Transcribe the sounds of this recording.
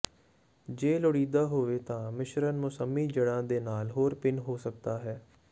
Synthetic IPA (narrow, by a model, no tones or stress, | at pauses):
d͡ʒeːlʊɽiːd̪aːɦoːʋeːt̪ãːmɪʃɾənmʊsəmːiːd͡ʒəɽãːd̪eːnaːlɦoːɾpɪnɦoːsək̚d̪aːɦɛː